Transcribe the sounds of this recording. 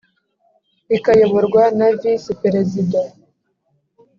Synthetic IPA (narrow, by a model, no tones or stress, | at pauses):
ikajoβoɾɡwanavisipeɾezida